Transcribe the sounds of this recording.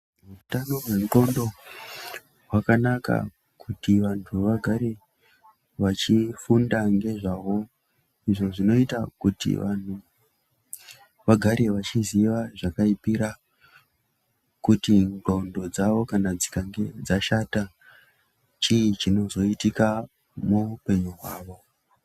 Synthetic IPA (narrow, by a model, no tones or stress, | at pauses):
utano̞ɦwe̞ŋɡo̞ndo̞ | ɦwakanaka̰ | kʰutiʋantʰuʋaɡʱaɾe̞ | ʋat͡ʃifundaŋɡe̞ʐaʋo̞ | iʐo̞ʐino̞itakutḭʋan̤u | ʋaɡʱaɾe̞ʋat͡ʃiziʋaʐakaipiɾa | kutiŋɡondod͡zaʋo̞kanad͡zikaŋɡed͡zaʃata | t͡ʃiit͡ʃino̞zo̞itika | muupe̞ɲuɦwaːʋo̞